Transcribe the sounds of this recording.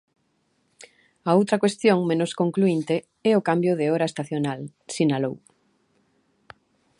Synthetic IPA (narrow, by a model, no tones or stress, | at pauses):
aowt̪ɾɐkwest̪jõŋmẽnoskoŋkluint̪e | ɛʊkambjoðeoɾaest̪aθjonalsinalow